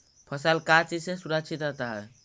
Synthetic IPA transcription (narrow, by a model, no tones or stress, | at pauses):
pʰəsəlkat͡ʃid͡ʒsesuɾəkt͡ʃʰit̪ɾət̪aɦɛ